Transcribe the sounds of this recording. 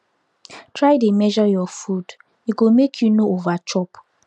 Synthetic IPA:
tʰɹajdemɛʒɔjɔfud | iɡomekʰjunoovat͡ʃɔp

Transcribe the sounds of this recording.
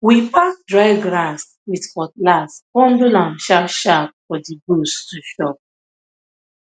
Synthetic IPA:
wipak̚dɹaɪɡɹãs | witfɔtlaspɔ̃ndolãnʃapʃap̚fɔdibustuʃɔp̚

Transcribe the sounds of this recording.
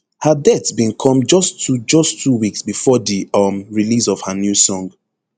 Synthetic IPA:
hadɛtbĩnkʰɔ̃md͡ʒɔstud͡ʒɔstʰːuwiksbifɔdiɔmɹilis̬ɔv̥hanjusɔ̃ŋɡ

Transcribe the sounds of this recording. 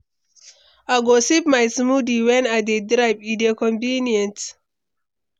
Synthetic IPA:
aɡosip̚majsmudiwɛ̃najdedɾajpidekɔ̃mvĩniɛ̃nt

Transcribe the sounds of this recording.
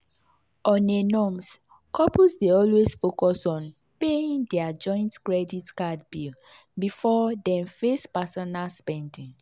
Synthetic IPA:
ɔ̃nenɔms | kɔpusdeɔlwesfokɔsɔ̃n | peĩŋdɛad͡ʒɔ̃ɪ̃ntkɹɛditkadbil | bifɔdɛ̃mfespasɔnalspɛ̃ndĩŋ

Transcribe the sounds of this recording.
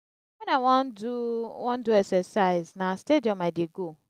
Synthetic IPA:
wɛ̃nawnduwɔ̃nduɛksɛsaɪznastediɔ̃maɪdeɡo

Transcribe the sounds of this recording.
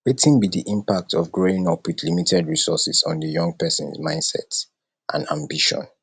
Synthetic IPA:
wetĩnbidiʔĩmpak̚tʰɔvɡɹoĩŋɔpʰwidlimitʰɛdɹisɔsisɔ̃n̩dəjɔ̃ŋɡ̚pɛsɔ̃nzmãɪ̃ndsɛ̰t | ʔã̰nã̰mbiʃɔ̰̃n

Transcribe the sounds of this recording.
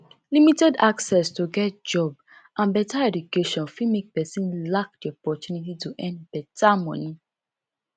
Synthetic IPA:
limitɛdaksɛstoɡɛt̚d͡ʒɔb | ʔãnbɛtaɛdukeʃɔ̃nfimek̚pɛsĩnlak̚diɔpɔtunit̬ituʔɛ̃nd̚bɛtʰamɔ̃ni

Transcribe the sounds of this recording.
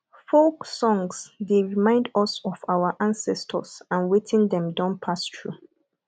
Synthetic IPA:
foksɔ̃ŋsdeɹimãɪ̃ndɔsɔfawaʔãnsɛstʰɔ̰sãnwetʰĩndɛ̃mdãnpʰastʰɹu

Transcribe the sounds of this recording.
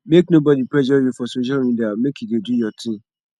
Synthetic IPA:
mek̚nobɔdipɹɛʃɔjufɔsõʃaĩndiamekjudedujɔtʰĩm

